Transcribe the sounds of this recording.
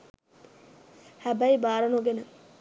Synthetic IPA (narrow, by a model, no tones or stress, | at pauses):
hæbæibaːɾɐnoɡenə